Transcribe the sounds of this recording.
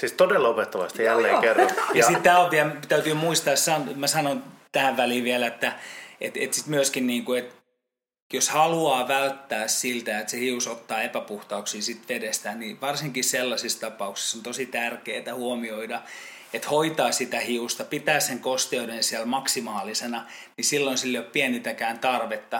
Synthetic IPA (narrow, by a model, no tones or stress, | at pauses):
siːst̪odelːopet̪ːɑʋɑ̰st̪ijælːḛːŋkerːɑjɑɑsit̪t̪ːæːoʋiæt̪æyt̪yːmuist̪ɑːssɑnmæsɑnont̪æːʋʋæliːʋiælet̪ːæḛt̪et̪sit̪myøskinniːŋkuet̪ | joshɑluɑːʋælt̪ːæːssilt̪æet̪sehiusot̪ːɑːepæpuht̪ɑuksiːsit̪ʋedest̪æniʋɑrsiŋkisselːɑsist̪ɑpɑuksi̥sːont̪osit̪ærkeːt̪æhuomioidɑ | et̪hoit̪ɑːsit̪æhiust̪ɑpit̪æːsseŋkost̪eudensiælmɑksimɑːlisenɑ | nisilːonsilːoppiænit̪ækæːnt̪ɑrʋet̪ːɑ